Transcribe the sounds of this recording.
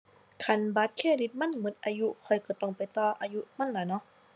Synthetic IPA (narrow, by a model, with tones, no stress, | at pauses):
kʰa˧˩nbaː˧˦˥t̪̚kʰeː˧˥˩di˧˦˥t̪̚ma˥˨nmɯ˨˦nʔa̰ː˧ju˧˥ʔkʰɔ˧˩jkɔː˧˩t̪ɔ˧˥˩ŋpa˨˩jt̪ɔː˧˩ʔaː˧ju˧˥ʔma˧˥˨nlaː˨˩˦jnɔ˧˦˥ʔ